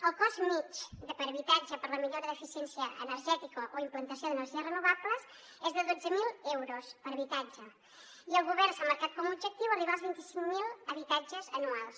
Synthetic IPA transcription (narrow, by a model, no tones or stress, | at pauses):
əlkɔzmit͡ʃd̪əpəɾβit̪ad͡ʒəpəɾlɐmiʎoɾɐðefisjɛnsjɐʔḛnəɾʒɛt̪ikoʔoimplant̪ɐsjoðeneɾʒiɐrenuβaβləs | ezðəðod͡zəmilɛwɾospəɾɐβit̪ad͡ʒe | iəlˠɣuβɛɾsamaɾkat̪̚komuubʒek̚t̪iwariβalˠzβint̪isiŋmilɐβit̪ad͡ʒezɐnualˠs